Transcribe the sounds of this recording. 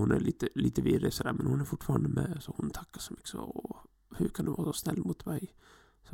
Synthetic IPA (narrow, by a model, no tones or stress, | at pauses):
hʊnæɾliːt̪əliːt̪əʋiːɾesəd̪æɾmɛnhʊnæɾfʊʈfɑːɾənd̪əmɛsɔhʊnt̪ʰɑkːəsɔmʏkːə̥sɔ̰ | hʉɾkʰɑnd̪ɛʋɑːsɔsnɛlːmut̪mæɪ | sɔ